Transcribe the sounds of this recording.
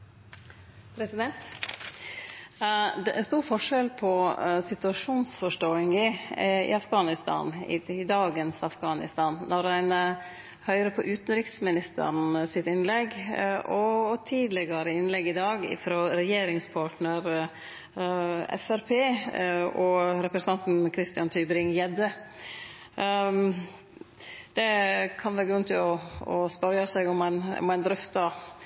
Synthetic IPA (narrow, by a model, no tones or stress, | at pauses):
pʰɾɛsɪd̪ɛnt̪ | ɛɛnst̪uːɾfɔʂɛlpʰɔsɪt̪ʉɑʂuːnsfɔʂʈoːɪŋɪɪ̰ɑfɡɑːnɪst̪ʰɑ̰ːnɪ̰d̪ɑːɡənsɑfɡɑːnɪ̰st̪ɑːnːɔɾæɪn | hœʏɾəpʰɔʔʉːt̪ən̩ɾɪksmɪnɪst̪ʰə̰ɾnsɪt̪ɪnlɛɡɔt̪ʰiːd̪lɛɡɑɾəɪnlɛɡɪd̪ɑːɡɪ̰fɾoːɾɛjeːɾɪŋspʰɑʈnəɾ | ɛ̰fæɾpʰeː | ɔɾɛpɾəsn̩ɑnt̪n̩kʰɾɪst̪ɪɑnt̪ʰyːbɾɪŋjɛd̪ə | d̪̥ɛkʰɑnʋæːɾɡɾʉnt̪ʰɪlɔɔspɑɾɑsæɡʊmæn̰mæɪnd̪ɾœft̪ɑ